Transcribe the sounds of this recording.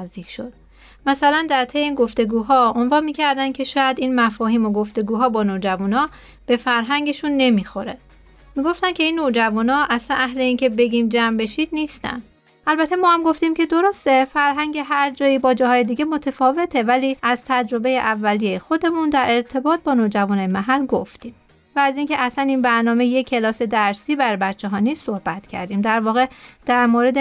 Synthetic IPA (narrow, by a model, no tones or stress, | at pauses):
zd̪iːkʰʃo̞d̪̥̚ | mæsælænd̪æɾt̪ʰe̞jeiːnɡo̞ft̪e̞ɡuːɦɒːo̞nvɒːnmiːcʰæɾd̪æncʰe̞ʃɒːjæd̪iːnmæfɒːhiːmo̞ɡo̞ft̪e̞ɡuːɦɒːbɒːnoːd͡ʒævunɒː | b̥e̞fæɾɦæŋɟe̞ʃunːe̞miːxo̞ɾe | miːɡo̞ft̪æncʰe̞iːnːod͡ʒævunɒːʔæslænæhle̞iːncʰe̞be̞ɟimd͡ʒæmbe̞ʃiːd̪niːst̪æ̰n | ʔælbæt̪ʰe̞mɒːhæmɡo̞ft̪imcʰe̞d̪o̞ɾo̞st̪e̞fæɾɦæŋɟe̞ɦæɾd͡ʒɒːjiːbɒːd͡ʒɒːɦɒːje̞d̪iːɟemo̞t̪ʰefɒːve̞t̪ʰe̞væliːʔæzt̪ʰæd͡ʒɾo̞be̞jeʔævːælijejexo̞d̪e̞mund̪æɾʔe̞ɾt̪ʰe̞bɒːt̪̚bɒːnoːd͡ʒævunɒːjemæɦælɡoft̪iːm | væːziːncʰe̞ʔæsæniːnbæɾnɒːmejekʰːe̞lɒːse̞d̪æɾsiːbæɾbæt̪t͡ʃʰːe̞ɦɒːniːsso̞hbæt̪cʰæ̰ɾd̪iːmd̪æɾvɒːɣe̞d̪̥æɾmoːɾe̞d̪e